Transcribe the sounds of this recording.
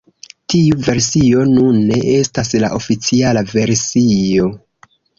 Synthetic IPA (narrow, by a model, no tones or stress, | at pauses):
tiuve̞ɾsio̞nunːe̞ʔe̞stasla̰ʔo̞fit͡sialave̞ɾsio̞